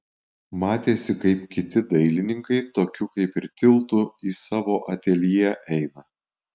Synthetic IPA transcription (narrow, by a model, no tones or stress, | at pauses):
mɑːt̪ʲeːsʲɪkɐɪp̚kʲɪt̪ʲɪd̪ɐɪlʲɪnʲɪŋkɐɪt̪oːkʲukɐɪpɪɾt̪ʲɪlˠt̪ʊiːsɑːʋoːʔɐt̪ʲeːlʲijɛʔɛɪnɐ